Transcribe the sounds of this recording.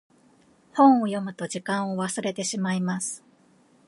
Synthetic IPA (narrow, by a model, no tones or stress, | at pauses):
hõ̞ɰ̃o̞jo̞mɯ̟t̪o̞ʑikãɰ̃o̞βasɨɾe̞t̪e̞ɕimaimasɨ̥